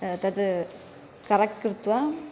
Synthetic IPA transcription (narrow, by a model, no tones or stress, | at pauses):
t̪ɐd̪ɯ | kɐɾɐkkːɯɾt̪ːʋa